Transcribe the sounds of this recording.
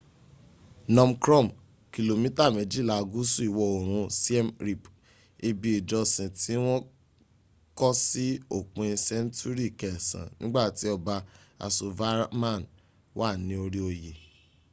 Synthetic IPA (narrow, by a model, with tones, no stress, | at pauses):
nɔ̃˧mkɾɔ˦˨m | ki˨lo˨mĩ˦ta˦˨mɛ̃˨˦d͡ʒi˦˨la˧˨˧ɡu˦su˦i˦˨wɔ˨˧o˨ɾ̃ũ˧si˦ɛ˦mɾi˨p | e˧bi˧i˨d͡ʒɔ˧sĩ˨ti˨˦w̃ɔ̃˦ | kɔ˦si˦o˦˨k͡pũ˧ĩ˧sɛ˦n˦tu˦ɾi˦˨kɛ˨sã̰˨nĩ˦ɡ͡ba˦˨ti˨˦ɔ˧ba˧a̰˨˧so˨va˦mã˦˨n | wʔa˦˨nĩ˨˦o˧ɾi˦o˧je˨